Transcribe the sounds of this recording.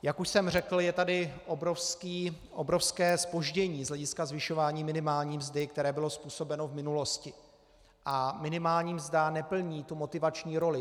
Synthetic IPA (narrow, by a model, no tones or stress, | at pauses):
jakuʃsɛmr̝ɛkl̩jɛt̪adɪʔobɾofskiː | ʔobɾofskɛːspo̞ʒɟɛɲiːzɦlɛɟɪskazvɪʃo̞vaːɲiːmɪnɪmaːlɲiːmzdɪk̚t̪ɛɾɛːbɪlo̞spuːso̞bɛno̞vmɪnulo̞scɪ | ʔamɪnɪmaːlɲiːmzdanɛpl̩ɲiːt̪umo̞t̪ɪvat͡ʃɲiːɾo̞lɪ